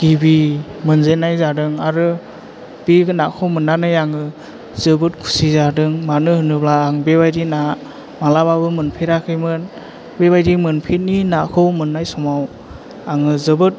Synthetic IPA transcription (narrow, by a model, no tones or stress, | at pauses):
ɡ̥ibimɯnzenajzadɯŋaɾɯ | b̥iɡɯnakʰɯwmɯnːanɯjaŋɯ | zɯbɯt̚kʰu̥sizadɯŋmanɯhɯnɯblaːŋbebajdina | malaβabɯmɯnpʰeɾakʰɯjmɯn | beβajdimɯnpʰet̚ninakʰɯwmɯnːajsɔmaw | aŋɯzɯbɯt̚